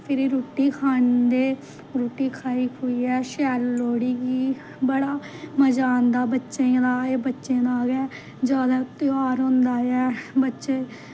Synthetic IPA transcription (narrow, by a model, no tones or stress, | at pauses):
pʰɪɾiɾuːʈiːkʰaːɳd̪eː | ɾuːʈːiːkʰaːiːuiːɛːʃɛːlloːɽiːɡiː | bəɽaː | məd͡ʒaːnd̪aːbətːʃẽːd̪aːeːbətːʃẽːd̪aːɡɛː | d͡ʒaːd̪aːt̪ɪaːɾɦõnd̪aːjɛːbətːʃeː